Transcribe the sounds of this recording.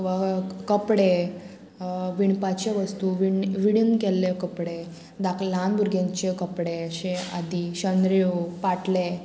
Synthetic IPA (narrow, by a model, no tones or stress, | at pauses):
ʋakəpɽe | ʋiɳpat͡ɕeʋəst̪uʋiʋiɽinkɛlːekəpɽe | d̪aklanbʱuɾɡjãɲt͡ɕekəpɽeəɕẽad̪iɕənd̪ɾeopaʈle